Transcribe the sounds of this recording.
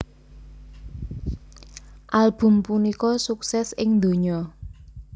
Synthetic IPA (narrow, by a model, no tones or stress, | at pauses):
ʔalb̥ʊ̤mpunikɔsuksɛsɪŋd̪o̤ɲɔ